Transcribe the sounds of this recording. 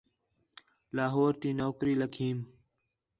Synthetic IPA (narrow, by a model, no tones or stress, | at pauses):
laːɦoːɾt̪iːnoːkɾiːləkʰiːm